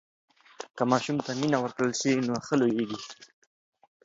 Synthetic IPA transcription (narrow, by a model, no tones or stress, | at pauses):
kəmɑʃumt̪aminawəɾkɽəlʃinoxəlojeɡi